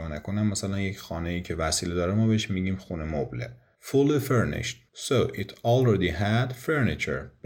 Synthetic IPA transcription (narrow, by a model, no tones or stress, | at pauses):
ɒːnækʰonæmːæsælænjecʰxɒːneiːcʰe̞væsiːled̪ɒːɾemɒːbeeʃmiːɟiːmxunemoblḛ | fulifeɾnḛʃt̪soʔit̪ʰɒlɹed̪iɦæd̪feɾnit͡ʃʰḛɾb